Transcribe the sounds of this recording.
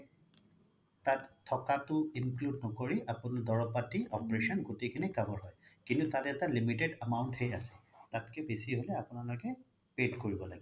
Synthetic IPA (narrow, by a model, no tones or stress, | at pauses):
tatʰːɔkatʊinkludnɔkoɹiʔapʊnadɔɹɔpatiʔɔpɹesɔnɡotekʰinikabɔɹɦɔjkintutatɛtalimitedamawʊnthɛjasɛ̥tatkɛbesiɦolɛapʊnalɔkɛ | pedkoɹibɔla̰ɡɛ